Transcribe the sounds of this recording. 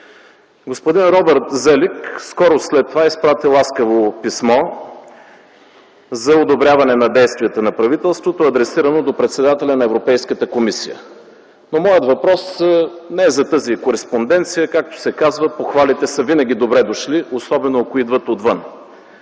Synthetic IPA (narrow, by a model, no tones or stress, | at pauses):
ɡospod̪inɾɔbɛɾt̪zɛlikskɔɾoslɛt̪ːovaispɾat̪ilˠaskəvopismɔ | zɐod̪obɾʲjavɐnɛnɐd̪ɛjst̪vʲijət̪ənɐpɾɐvit̪ɛlˠst̪vot̪oɐd̪ɾɛsiɾənod̪opɾɛt̪sɛd̪at̪ɛlʲɐnɐɛvɾopɛjskət̪əkomisijə̰ | nomɔjət̪vɐpɾɔsnɛɛzɐt̪ɤzikoɾɛspond̪ɛnt̪sijəkak̚t̪o̥sɛkazvəpoxvalit̪ɛsəvinɐɡ̟ʲid̪obɾɛd̪oʃliosɔbɛnoɐkoid̪vət̪od̪vən